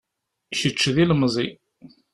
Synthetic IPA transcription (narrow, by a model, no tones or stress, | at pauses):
çət͡ʃːðilmzˤi